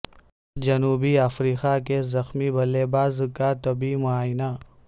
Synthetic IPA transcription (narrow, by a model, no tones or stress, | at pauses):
d͡ʒɐnuːbiafɾiːxakezɐxmibɐleːbaːzkat̪ɐbimʊaːjna